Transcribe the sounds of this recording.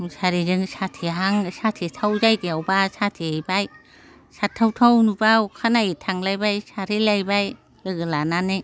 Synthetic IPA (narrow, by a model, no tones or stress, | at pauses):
saɾizɯŋsatʰiɦaŋsatʰitʰawzajɡiawbasatʰijbaj | satʰːawtʰawnubakʰanajitʰaŋlajbajsaɾilajbaj | lɯɡɯlananɯ